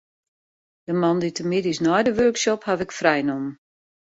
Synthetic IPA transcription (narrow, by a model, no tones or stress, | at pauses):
d̥əmɑnditəmidisnɔjdəʋøɹksɔphavɪkfrɛjnɔmn